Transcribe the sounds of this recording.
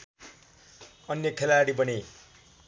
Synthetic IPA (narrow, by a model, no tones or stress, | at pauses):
ʌnjʌkʰelaɽibʌni